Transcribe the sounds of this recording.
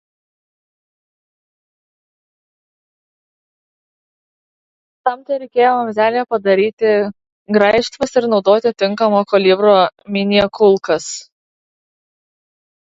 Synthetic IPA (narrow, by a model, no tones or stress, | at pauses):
t̪ɐmt̪ʲɐɪɾʲɛɪkʲeːjoːmɐmʲzʲæːlʲɪjɛpɐd̪ɐɾʲiːt̪ʲɪ | ɡɾɐɪʃt̪ʋɐsɪɾnɒʊd̪oːt̪ʲɪt̪ʲɪŋˑkɐmoːkɔlʲɪbɾoːmʲɪnʲiɛkʊlˠkɐs